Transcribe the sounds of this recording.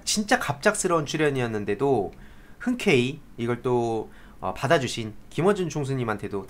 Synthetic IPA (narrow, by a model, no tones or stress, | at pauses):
t͡ɕint͡ɕ͈akap̚t͡ɕ͈ak̚s͈ɯɾʌunt͡ɕʰuɾjʌɲiʌnːɯnde̞do | hɯnkʰe̞iiɡʌɭt͈o | ʌ̰padad͡ʑuɕʰinkimʌd͡ʑunt͡ɕʰoŋs̬ʰuɲimɦantʰe̞do